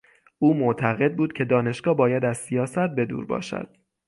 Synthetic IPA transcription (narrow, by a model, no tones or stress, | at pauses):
ʔuːmoʔt̪ʰæɣe̞d̪̚buːd̪̥̚cʰe̞d̪ɒːne̞ʃɡ̥ɒːbɒːjæd̪æzsijɒːsæt̪̚be̞d̪ṵːɾbɒ̰ːʃæ̰d̪̥